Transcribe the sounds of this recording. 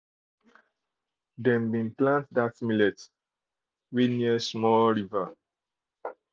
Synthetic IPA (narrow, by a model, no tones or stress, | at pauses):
dẽmbĩnplãntdasimulets | winiəsmɔlɾivə